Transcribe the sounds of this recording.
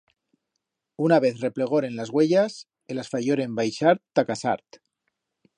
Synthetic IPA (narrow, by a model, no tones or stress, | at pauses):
unaβ̞eθrepleɣ̞oɾenlazɣweʎas | elasfaʎoɾembajʃaɾt̪ːakasa̰ɾt̪